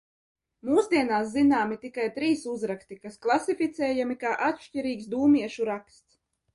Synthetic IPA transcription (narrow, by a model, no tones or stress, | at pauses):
muːsd̪iɛnaːszinaːmit̪ikajt̪ɾiːsuzɾakst̪ikasklˠasifʲit̪sɛːjamikaːʔat̪ʃcʲiɾiːksd̪uːmiɛʃuɾakst̪s